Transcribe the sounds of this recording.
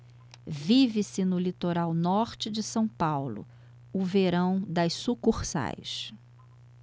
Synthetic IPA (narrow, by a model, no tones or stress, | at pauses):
vivɪsɪnʊlit̪oɾawnɔɾt͡ʃɪd͡ʒɪsɐ̃w̃pawlʊ̰ | ʊveɾɐ̃w̃d̪ɐjssukuχsa̰js